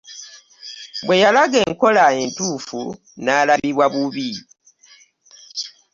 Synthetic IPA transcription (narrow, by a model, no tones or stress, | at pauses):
bwe̞jalaɡe̞ːŋko̞laentuːfu | naːlaβiβwaβuβi